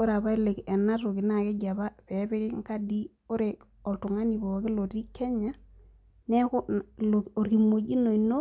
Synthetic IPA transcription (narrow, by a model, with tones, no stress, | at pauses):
o˦ɾa˨βa˦i˦le˨ke˨nːa˦ɾo˨ɡi˨na˦˨ke˦ɟa˨ba˦pe˨˦be˦ki˦ŋ˦ka˦di˦ | o˦ɾe˨ | o˨ltu˨ŋa˦ni˨bo˨ɡi˦lo˨ti˦kʰːe˦ɲa˦ | ne˦ku˦lo˨o˨ɾki˨mo˨d͡ʒi˦no˨i˨no˦